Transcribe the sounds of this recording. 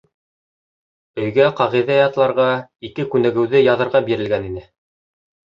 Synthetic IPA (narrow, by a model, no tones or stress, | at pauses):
ɵ̆jɡæqɑʁiðæjɑt̪lˠɑɾʁɑikɘkʉnæ̆ɡɘ̆wðɘjɑðɤ̆ɾʁɑbiɾɘ̆lɡæninɘ